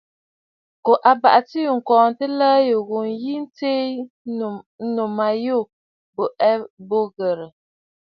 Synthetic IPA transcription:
ko˨ʔa˨ba˨ʔa˨ti˦˨ŋ̩˨kɔː˨n̩˨tə˦ləː˦jo˨ɣo˨n˨ji˦n˦te˦˨˦ | no˨ma˨jo˦˨ | bo˨ʔɛ˦bo˦ɣə˨ɾə˨

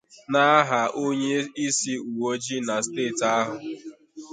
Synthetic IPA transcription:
na˦ɦa˨ʔo˦ɲe˦i˦si˦u˨wo˦d͡ʒi˦na˨steː˦˨ta˦ɦʊ˨

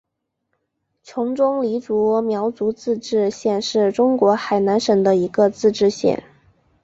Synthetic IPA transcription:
t͡ɕʰjʊ˧˥ŋʈ͡ʂʊ˥ŋli˧˥t͡su˧˥mjɑ˧˥ʊt͡su˧˥t͡sɹ̩˥˧ʈ͡ʂɻ̩˥˧ɕjɛ˥˧nʂɻ̩˥˩ʈ͡ʂʊ˥ŋkwɔ˧˥xa˨˩ɪna˧˥nʂə˨˩ŋd̪ə˦i˧˥ɡə˧t͡sɹ̩˥˧ʈ͡ʂɻ̩˥˧ɕjɛ̰˥˩n

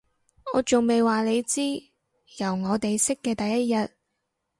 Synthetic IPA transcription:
ŋɔː˨˧t͡sʊ˨ŋme˨jwaː˨le˨˧jt͡siː˥ | jɐ˨˩wŋɔː˨˧t̪e˨jsɪ˥kːɛː˧t̪ɐ˨jːɐ˥t̚jɐ˨t̚

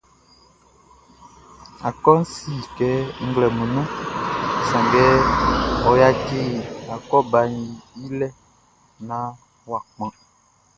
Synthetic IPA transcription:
a˨kɔ˦n̩˦si˦˨kɛ˨˦ŋ̩˦ɡlɛ˨mũ˨nɔ̃˦˨ | sã˨ŋɡɛ˦ | ɔ˨ja˦ki˦a˨kɔ˦ba˨ɲi˨i˦lɛ˦ | nã˨˦ | wa˨k͡pã˨

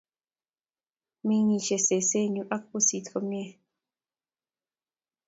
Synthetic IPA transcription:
mĩ˦ɲĩ˨ʃe˨se˨se˦˨ɲu˨ʔa˦k̚pu˦si˨tkə˨mjɛ˦˨

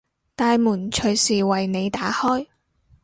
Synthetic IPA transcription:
t̪aː˨jmuː˨˩nt͡ʃʰɵ˨˩ɥsiː˨˩wɐ˨jne˨˧jt̪aː˨˥hɔː˥j

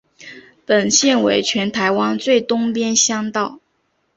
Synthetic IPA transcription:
pə˨˩nɕjɛ˥˩nwe˧˥ɪt͡ɕʰɥɛ˧˥nt̪ʰa˧˥ɪwɑ˥nt͡swe˥˩ɪt̪ʊ˥ŋpjɛ˥nɕjɑ˥ŋt̪ɑ˥˩ʊ

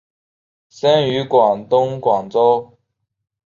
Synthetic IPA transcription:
sɛ˥nyː˨˧˥kwa˨˩ŋt̪ʊ˥ŋkwa˨˩ŋt͡so˥w

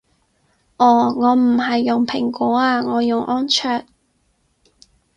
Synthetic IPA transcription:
ʔɔː˨˩ŋɔː˨˧m̩˨˩ɦɐ˨jːʊ˨ŋpʰɪ˨˩ŋkɔː˨˥aː˧ŋɔː˨˧jʊ˨ŋʔɔː˥nt͡ʃʰœː˧t̚

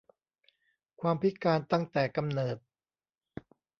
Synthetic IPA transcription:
kʰwaː˧mpʰi˦˥kaː˧nt̪a˥˩ŋt̪ɛː˨˩ka˧mnɤː˨˩t̪̚

